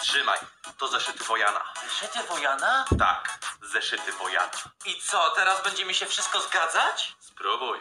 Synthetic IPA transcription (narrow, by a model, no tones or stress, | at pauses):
tʂɘma̰jt̪ɔzɛʂɘt̪ɘvɔjana̰zɛʂɘt̪ɘvɔjanat̪a̰kzɛʂɘt̪ɘvɔja̰nait̪sɔt̪ɛɾazbɛɲd͡ʑɛmiɕɛfʂɘst̪̚kɔzɡad̪zat͡ɕspɾubuj